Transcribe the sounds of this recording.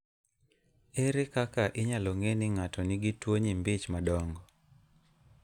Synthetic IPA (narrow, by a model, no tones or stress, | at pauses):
eɾekakaʔɪɲalɔŋenɪŋatɔnɪɡitwoɲimbɪt͡ʃmadɔŋɡɔ